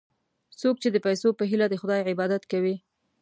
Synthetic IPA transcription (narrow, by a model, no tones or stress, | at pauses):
sok̚t͡ʃed̪əpajsopəɦilad̪əxʊd̪ɑjʕɪbɑd̪at̪kawi